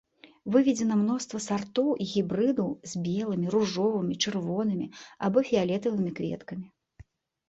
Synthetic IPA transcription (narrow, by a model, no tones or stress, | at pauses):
vɨvʲɛd͡zʲɛnɐmnɔst̪vɐsart̪ɔwʔiɣʲibɾɨd̪ɐwzʲbʲɛlˠɨmʲiɾuʐɔvɨmʲit͡ʂɨrvɔn̪ɨmʲiabɔfʲialʲɛt̪ɐvɨmʲikvʲɛ̰t̪kɐmʲi